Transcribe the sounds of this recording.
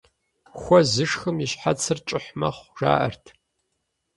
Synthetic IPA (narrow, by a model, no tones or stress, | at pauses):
xʷɔzɨʂxɨmjiɕħat͡sʰɨrt͡ʃʼɪħmɐχʷʐa̰ːʔɐ̰rtʰ